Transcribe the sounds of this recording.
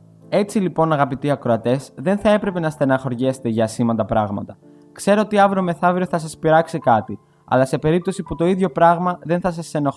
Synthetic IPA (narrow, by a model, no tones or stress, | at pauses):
e̞t͡silipo̞nɐɣɐpit̪iɐkɾo̞ɐt̪e̞zðe̞nθɐe̞pɾe̞pe̞nɐst̪e̞nɐxo̞ɾʝese̥t̪eʝɐːsimɐnd̪ɐpɾɐɣmɐ̰t̪ɐ | kse̞ɾoot̪iɐvɾome̞θɐvɾioθɐs̬ɐspiɾɐksikɐt̪i | ɐ̰lɐse̞pe̞ɾip̚t̪o̞siput̪o̞iðʝo̞pɾɐɣmɐðe̞nθɐs̬ɐsːe̞no